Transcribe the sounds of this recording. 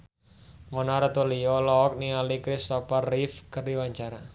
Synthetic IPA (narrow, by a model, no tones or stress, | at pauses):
mɔnaɾat̪uliɔlɔːk̚nialikɾist̪ɔfarifkərdiwaɲt͡ʃaɾa